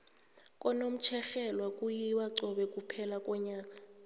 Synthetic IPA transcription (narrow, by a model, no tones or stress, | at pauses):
kʼɔnom̩t͡ʃʰɛxɛlwakʼujiwaǀɔɓɛkʼupʰɛlakʼɔɲaːk̬ʼḁ